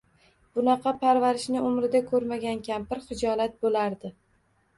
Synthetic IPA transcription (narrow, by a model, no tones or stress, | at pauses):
b̥ʊnɑqʰɑpʰaɾvaɾɪʃnɪʔʊmɾɪd̪akʰɵɾmaɡʲankʲʰampɪɾχɪd͡ʒɒlat̪̚bolaɾd̪ɪ